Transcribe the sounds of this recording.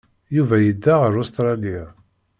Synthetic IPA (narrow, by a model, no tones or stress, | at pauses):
juvæjəd̪ːaʁəɾust̪ɾˤɑli